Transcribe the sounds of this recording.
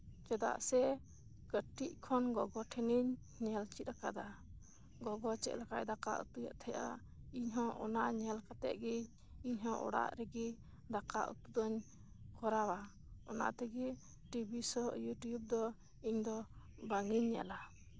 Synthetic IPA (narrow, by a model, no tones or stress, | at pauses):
t͡ʃɛd̪a̰ʔsɛ | kəʈiʔ̚kʰɔnɡɔɡɔʈʰɛniɲː | ɛlt͡ʃit̪̚ɾakad̪a | ɡɔɡɔt͡ʃɛ̰ʔlakaʔd̪aka̰ʔṵt̪uja̰ʔt̪ʰɛjʔa̰ | iɲɦɔ̃ʔɔnaʔɲɛlkat̪ɛ̰ʔ̪̚ɡi | iɲɦɔ̃ʔɔ̰ɽa̰ʔɾɛɡi | d̪aka̰ʔṵt̪ud̪ɔɲ | kɔɾawa | ɔna̰ʔt̪ɛɡi | ʈibisɔjuʈjub̚d̪ɔ | iɲd̪ɔ | baŋiɲːɛ̰la